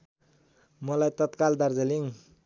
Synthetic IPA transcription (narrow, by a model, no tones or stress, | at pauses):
mʌlajt̪ʌt̪kald̪aɾd͡zʌliŋ